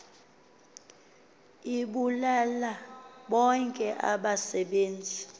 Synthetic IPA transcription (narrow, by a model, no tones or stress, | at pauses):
iɓulalaɓɔŋkʼɛʔa̰ɓasɛɓeːnd͡zʱi